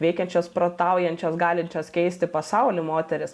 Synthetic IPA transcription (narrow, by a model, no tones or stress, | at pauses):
ʋʲɛɪkʲɛnʲt͡ʃʲoːspɾoːt̪ɑʊjɛnʲt͡ʃʲoːsɡɑːlʲɪnʲt͡ʃʲoːskʲɛɪsʲt̪ʲɪpɐsɐʊlʲɪmoːt̪ʲɛɾʲɪs